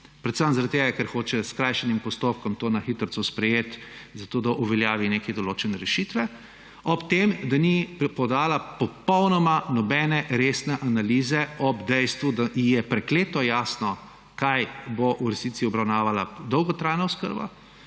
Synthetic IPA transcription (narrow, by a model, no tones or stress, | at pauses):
pɾɛt̪səmzaɾat̪ːeːɡakɛɾxoːt͡ʃɛskɾajʃɛnimpɔst̪op̚kɔmt̪oːnaxit̪əɾsɔspɾɛjeːt̪zat̪oːd̪aʔuʋɛljaːʋinekɛd̪ɔloːt͡ʃɛnɛɾɛʃit̪ʋɛ | ɔpt̪emd̪anipɔd̪aːlapɔpɔwnɔmanɔbɛnɛɾesnɛʔanaliːzɛɔbd̪ɛjst̪ʋud̪aijɛpɾɛkleːt̪ɔjaːsnɔ | kajboʔuɾɛsnit̪siɔbɾawnaːʋalad̪ɔwɡɔt̪ɾajnaʊskə̰ɾba̰